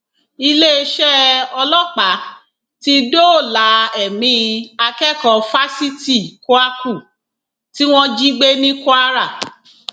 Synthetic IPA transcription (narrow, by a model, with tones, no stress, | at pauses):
i˧le˦e˧ʃɛ˦ɔ˧lɔ˦k͡pa˨˦ | ti˦do˦o˦˨la˨˦ɛ˨mĩ˧a˧kɛ˦kɔ˨˧˨fa˦si˦ti˦˨ko˦a˦ku˦˨ | ti˦w̃ɔ̃˦d͡ʒi˦ɡ͡be˦nĩ˦ko˦a˦ɾa˦˨